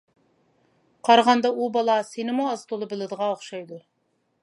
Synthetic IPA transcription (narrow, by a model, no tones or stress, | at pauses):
qʰɑɾʁɑnd̪ɑubɑlˠɑsenɪmuɑzt̪ʰolˠɨbɪlˠɨd̪əʁɑoχʃɑjd̪ʊ